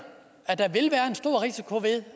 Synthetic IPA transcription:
æd̥ɑ̈ʋe̝lʋæːɐe̝nsd̥o̝ɐ̰ʁisikʰo̝ʋe̝ðˠ

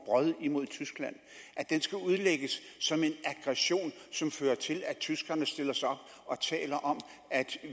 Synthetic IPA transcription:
b̥ʁɶðˠimo̝ð̞ˠt͡sʰysɡ̥læn̰ | ʔæd̥ensɡ̥æuð̞ˠleɡ̥əsːɒ̽me̝næɡ̥ʁɛɕo̝̰ːnsɒ̽mføːɐt͡sʰe̝læt͡sʰysɡ̥ɐnəsd̥e̝lɐsɑ̈ɒ̽b̥̚ | ɒ̽t͡sʰɛ̰ːlɐʔɒ̽m | æd̥

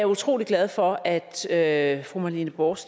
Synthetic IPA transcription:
æut͡sʰʁo̝̰ːliɡ̥læð̞ˠfɒ̽æd̥øfʁumɑlinəb̥ɒːs

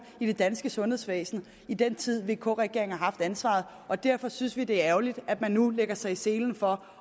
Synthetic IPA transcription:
id̥e̝d̥ænsɡ̥əsɔ̽nhe̝ðˠsʋɛ̰ːsn̩ | id̥en̰t͡sʰið̞̰ˠʋe̝ːkʰɔ̰ːʁɛɡ̥e̝ɐ̰eŋ̩hɑ̈hɑ̈fd̥ænsʋɑ̰̈ð̞̩ˠ | ʔɒ̽d̥æɐ̰fɒ̽synsʋid̥e̝æɐæɐʊlid̥æd̥mænːuleɡ̥ɐsɑ̈ɪise̝ːln̩fɒ̽

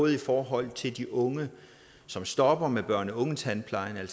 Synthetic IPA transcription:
ð̩ˠifɒːɦɒ̽l̰t͡sʰe̝ld̥iʔɔ̽ŋə | sɒ̽msd̥ɒ̽b̥ɐmeb̥ɶɐ̰nəɔ̽ŋn̩t͡sʰænpʰlɑ̈ɪnæl̰s

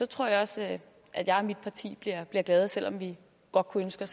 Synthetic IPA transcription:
sɒ̽t͡sʰʁo̝ɐ̰jɑ̈ɒ̽s | ʔæd̥jɑ̈ɪɒmid̥̚pʰɑ̈t͡sʰḭːb̥liɐ̰b̥liɐɡ̥lɛːð̞̩ˠsel̰ɒ̽mʋi | ɡ̥ɒ̽d̥̚kʰuønsɡ̥ə

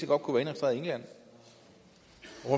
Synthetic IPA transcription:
əɡɒ̽d̥̚kʰuʋæːɐe̝nsd̥ʁḛɐie̝ŋlæn̰ | ʁo

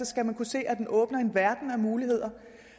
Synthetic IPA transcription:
ɒ̽sɡ̥æmænkʰuse̝̰ːʔæd̥enʔɔ̽ːb̥nɐe̝nʋæɐd̥n̩æmuːlihe̝ð̞̰ˠɐ

